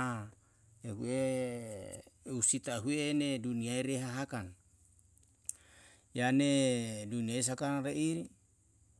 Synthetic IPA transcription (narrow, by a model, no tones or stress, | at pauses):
ehue | usit̪aɦueneduniaiɾeɦaɦakan | janeduniajs̬akanɾeʔiɾi